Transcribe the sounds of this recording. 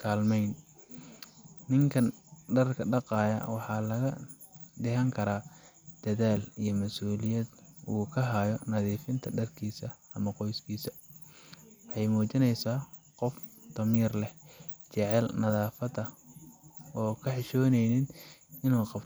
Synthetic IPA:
kʰaːlmɛjn | ɪŋkʰɐnɖɐrkʰɐɖɑqɑːjɐ̰wɑħɑːlɐɣɐ | d̪ɛɦɐŋkʰɐɾaː | d̪̥ɐðaːlijɞmɐsuːlɪjɐd̪uːkʰɐɦaːjɔnɐðiːfɪnt̪ʰɐɖɐrkʰiːsɐ | ɐmɐqɔjskʰiːsɐ | wħɑjmuːt͡ʃɪnɛjsaː | qɔft̪ɐmiːrlɛht͡ʃɛʕɛlnɐðaːfɐdɐ | ɔːkʰɐħɪʃɔːnɛjnɪnɪnuːqɑb

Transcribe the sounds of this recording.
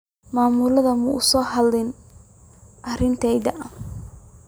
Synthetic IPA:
maːmʊlɐðɐmʊʔʊsɔːɦɐlɪn | ʔɐrɪnt̪ʰɛjd̪ɐʔɐ

